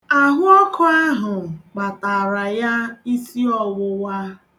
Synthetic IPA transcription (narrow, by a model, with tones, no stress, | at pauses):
a˨ɦʊ˦ɔ˦kɔ˦a˦ɦʊ˨k͡pa˨ta˨ɾa˨ja˦i˦si˦ɔ˨wʊ˦wa˦